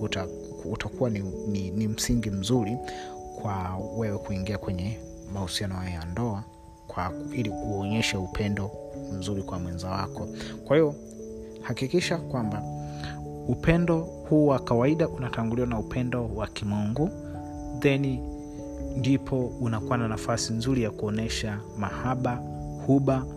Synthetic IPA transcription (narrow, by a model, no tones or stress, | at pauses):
uta | utʰakuwanininim̩siŋɡim̩zuɾikwawɛwɛkuiŋɡiakwɛɲɛ | mahusianɔhajɔjandɔa | kwailiuɔɲɛʃaupʰɛndɔm̩zuɾikwamwɛnzawakʰɔkwahivɔ | hakikiʃakwamba | upɛndɔ | huːwakawaiɗaʔunataŋɡuliwanaupʰɛndɔwakimuŋɡu | ðɛni | ndipʰɔunakuananafasinzuɾijakuɔnɛʃa | mahaɓa | huɓa